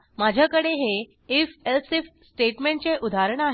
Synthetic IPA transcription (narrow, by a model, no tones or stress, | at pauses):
mad͡ʑʱjakəɽeɦe | efelsifsʈeʈmeɳʈt͡seʔud̪ʱaɾəɳ̃aɦ